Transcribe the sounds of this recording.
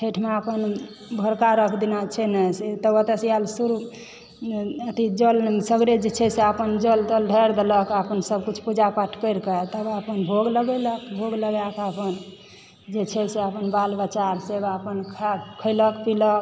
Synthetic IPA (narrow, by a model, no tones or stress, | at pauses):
ʈʰeʈʰmeapən | bʱəɾkaɾəkʰd̪inat͡ʃʰɛnəset̪əbət̪əsijalsuɾu | ət̪id͡ʒəlsəɡɾed͡ʒet͡ʃʰɛseapənd͡ʒəlt̪əlɖʱəɾd̪eləkapənsəb̚kut͡ʃʰpud͡ʒapaʈʰkəjɾket̪əbapənbʱoɡləɡɛləkbʱoɡləɡakapən | d͡ʒet͡ʃʰɛseəpənbalbət͡ʃaɾsebapənkʰakʰəɪləkpilək̚